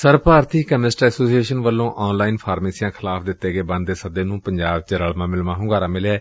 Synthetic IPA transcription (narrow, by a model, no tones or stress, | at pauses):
səɾpaːɾt̪iːkəmɪsʈəɾɛːsoːsieːʃənʋəlːõːʔɔːnlaːinpʰaːɾmeːsɪjãːkʰɪlaːpʰd̪ɪt̪ːeːɡeːbə̃nd̪d̪eːsəd̪eːnũːpəɲd͡ʒaːbt͡ʃəɾəɭmãːmɪlmãːɦʊ̃ŋɡaːɾãːmɪlɛː